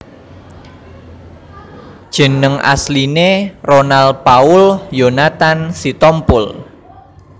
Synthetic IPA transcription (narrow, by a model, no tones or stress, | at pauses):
d̥ʒ̥ə̤nəŋʔa̰slineronalpaʊljonat̪ansit̪ɔmpʊl